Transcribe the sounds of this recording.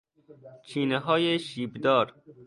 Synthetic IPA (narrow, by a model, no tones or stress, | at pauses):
t͡ʃʰiːneɦɒːjeʃiːbd̪ɒːɾ